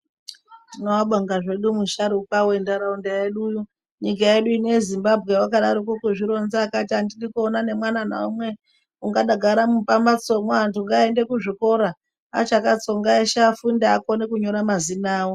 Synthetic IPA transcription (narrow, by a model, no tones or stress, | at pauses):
tinowaɓaŋɡaʐe̞ɗumuʃaɾukawe̞ndaɾaundajeɗuju | ɲik̬aje̞ɗuinojezimbabʱɣe̞wakaɗaɾokokuʐiɾo̞nzaːkatiandiɗikuonane̞mwanana̰umwe̞ | uŋɡaɗaɡʱaɾamupambat͡so̞mwaantʰuŋɡaende̞kuʐiko̞ɾa | a̰t͡ʃakat͡so̞ŋɡaeʃafundaako̞nekuɲo̞ɾamazinaːwo